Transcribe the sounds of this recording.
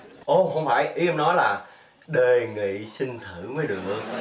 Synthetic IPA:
ʔo˧˩ɦə˧wŋ͡mfa̰ː˧˩˨jʔi˨˦ə˧mnɔ˨˦jlaː˨˩ | ɗe˧˩ŋḭ˧˨sï˧ŋ̟t̪ʰɨ˧˩˨məː˨˦ɗɨ˨˩əŋʔɨ˧ŋ

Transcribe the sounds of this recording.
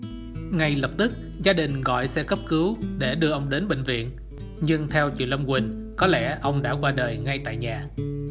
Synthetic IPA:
ŋa˧jlə˨˩p̚t̪ɨ˦˥k̚ | zaː˧ɗï˨˩ŋ̟ɣɔ̰˧˨jsɛ̰˧˥kə˦˥p̚kɨ˨˦wɗe˧˩ɗɨ˧əʔə˧wŋ͡mɗe˨˦nɓḛ˧˨ŋ̟vḭ˧˨ən | ɲɨ˧ŋt̪ʰɛ˧wt͡ɕwḭ˧˨nlə˧ŋ͡mkwï˨˩ŋ̟ | kɔ˨˦lɛ̰˧˥˩ʔə˧wŋ͡mɗa̰ː˧˥kwaː˧ɗəː˨˩jŋa˧jt̪a̰ː˧˨jɲaː˨˩

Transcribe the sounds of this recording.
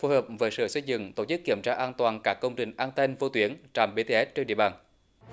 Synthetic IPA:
fo˨˧˦jhəː˨˩p̚vəː˨˦jsɨ̰ː˧˩sə˧jzɨ̰˧˨ŋt̪o˧˩t͡ɕɨ˦˥kːi˧˩əmt͡ɕaː˧ʔaː˧nt̪waː˨˩nkaː˦˥kːə˧wŋ͡mt͡ɕï˨˩ŋ̟ʔaː˧nt̪e˧nvo˧t̪wi˨˦ənt͡ɕaː˨˩mɓe˧t̪e˧ʔɛ˦˥t̚t͡ɕe˧nɗ̰i˧˨əɓaː˨˩n

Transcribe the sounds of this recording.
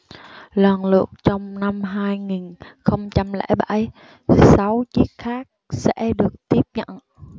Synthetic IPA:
lwaː˨˩nlɨ̰˨˩ək̚t͡ɕɔ˧wŋ͡mna˧mɦaː˧jŋi˨˩nxə˧wŋ͡mt͡ɕa˧mlɛ̰˧˩jɓa˧˩j | sa˨˦wt͡ɕi˦˥ək̚xaː˦˥k̚sɛ̰˧˥ɗɨ˨˩ək̚t̪i˦˥əp̚ɲə̰˧˨n

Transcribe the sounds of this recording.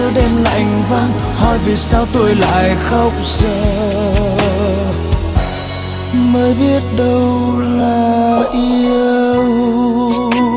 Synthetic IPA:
ɨ˧˦ɗɛ˧mla̰ː˧˨˩ŋva˧n | hɔ̰˧˨jvi˨˩saː˧wt̪o˧jla̰ː˧˨jxə˧˦wŋ͡m̚səː˧˩ | məː˨˦jɓi˦˥ət̚ɗə˧wlaː˨˩ʔi˧əəəw

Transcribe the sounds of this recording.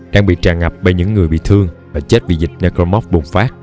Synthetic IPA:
ɗaː˧ŋɓḭ˧˨t͡ɕaː˨˩ŋːa˨˩p̚ɓe˧ɲɨ̰˧˥ŋːɨ˨˩əjɓḭ˧˨t̪ʰɨ˧əŋvaː˨˩t͡ɕe˦˥t̚vḭ˧˨˩zï˨˩k̚na˧ko˧mɔ˦˥p̚ɓu˨˩ŋ͡mfaː˦˥k̚

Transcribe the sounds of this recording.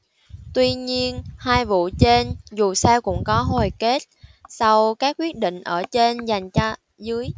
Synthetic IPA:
t̪wi˧ɲi˧ənhaː˧jvṵ˧˨t͡ɕe˧nzu˨˩sɛ˧wkʊ̰˧˥ŋ͡mkɔ˨˦ɦo˨˩jke˦˥t̚sa˧wkaː˦˥k̚kːwi˦˥ət̚ɗḭ̈˧˨ŋ̟ʔəː˧˩t͡ɕe˧nza˨˩jŋ̟t͡ɕɔ˧ | zɨ˨˦əj

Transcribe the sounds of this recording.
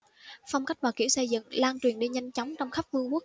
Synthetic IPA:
fa˧wŋ͡mka˦˥k̚vaː˨˩ki˧˩əwsə˧jzɨ̰˧˨ŋlaː˧ŋt͡ɕwi˨˩ənɗe˧ɲa˧jŋ̟t͡ɕɔ˨˦wŋ͡mt͡ɕɔ˧wŋ͡mxa˦˥p̚vɨ˧əmu˦˥k̚

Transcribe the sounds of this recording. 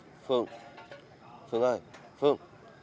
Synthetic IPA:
fɨ˧˩ə˨ŋ | fɨ˧˨ŋə˧˩j | fɨ˧˩əŋ

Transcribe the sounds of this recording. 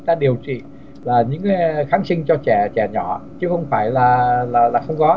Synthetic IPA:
t̪aː˧ɗi˨˩əwt͡ɕḭ˧˨ | laː˨˩ɲɨ̰˧˥ŋka˨˦xaː˨˦nsï˧ŋ̟t͡ɕɔ˧t͡ɕɛ˧˩t͡ɕɛ˧˩ɲɔ˧˩˨t͡ɕɨ˨˦xə˧wŋ͡mfaː˧˩jlaː˨˩laː˨˩laː˨˩xə˧wŋ͡mkɔ˨˦

